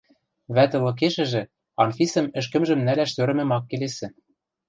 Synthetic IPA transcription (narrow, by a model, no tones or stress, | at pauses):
βæt̪ɤ̆lɤ̆k̬eʃɘ̆ʒɘ̆ | ɑnfʲisɘ̆mɘ̆ʃ̬kɘ̆mʒɘ̆mnælæʃt̪øɾɘ̆mɘ̆mɑkːelesɘ̆